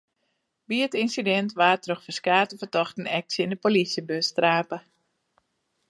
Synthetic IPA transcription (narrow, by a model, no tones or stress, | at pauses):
biətinsidɛntʋaːtroxfəskaːtəfətɔxtən̩ɛk̚sjəɪndəpolisjəbøstraːpə